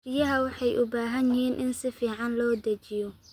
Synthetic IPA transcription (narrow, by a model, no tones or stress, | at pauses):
rɪjɐɦɐwɑħɑjʔʊbaːɦɐnjɪɦiːnʔɪnsɪfiːʕɑnlɔːd̪ɐt͡ʃɪjɔ